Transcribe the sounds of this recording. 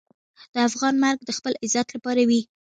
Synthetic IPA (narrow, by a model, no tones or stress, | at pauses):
d̪̥əafɣɑnmaɾɡ̚d̪əxpəlɪzat̪lapɑɾawi